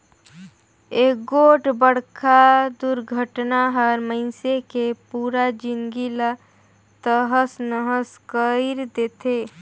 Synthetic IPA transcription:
eːɡoːʈbəɽkad̪uɾɡʱəʈnaɦəɾməɪsekepuːɾad͡ʒɪ̃ŋɡila | t̪əɦəsnəɦəskəɾd̪eːt̪ʰeː

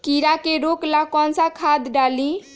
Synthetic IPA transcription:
kiɾakeɾoklakɔnsakʰad̪ɖalĩ

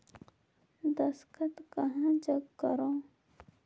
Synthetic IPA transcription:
d̪ɐskət̪kɐɦãːd͡ʒəɡkɐɾõː

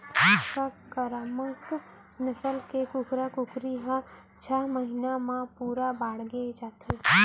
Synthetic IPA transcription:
səkakəɾamək | nɐsəlkekʊkɾakʊkɾiɦã | t͡ʃʰaɦməɦinamãpuːɾabaːɽɡed͡ʒaːt̪ʰe

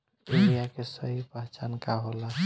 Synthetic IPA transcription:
iɾijakesəɦibaɦt͡ʃankaɦola

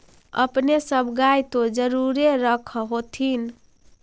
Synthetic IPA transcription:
ə̰pnesəbɡajt̪od͡ʒəɾuɾeɾəkʰɦot̪ʰin

